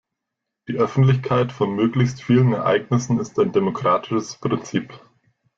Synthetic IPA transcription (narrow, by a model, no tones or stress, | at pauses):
d̥iːʔœfn̩tlɪçkʰaɪtfɔnmøːklɪçstfiːlənɛɐʔa̰ɪɡnɪsn̩ɪstaɪndemokʁ̥aːtʰɪ̥ʃəspʁ̥ɪnt͡siːp